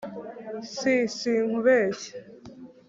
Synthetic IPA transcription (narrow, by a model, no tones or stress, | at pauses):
sisiŋ̥uβeːɕe̥